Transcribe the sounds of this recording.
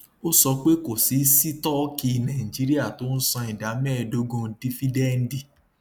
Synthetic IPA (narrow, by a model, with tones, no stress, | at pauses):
o˦sɔ˧k͡pe˦ko˨si˨˦si˦tɔ˦ki˧nã˨ĩ˨d͡ʒi˨˦ɾi˦a˦˨to˨˦n̩˦sɔ̃˧i˨da˨˦mɛ˦˨do˦ɡõ˦n̩˦di˦fi˦dɛ˦˨n̩˦di˨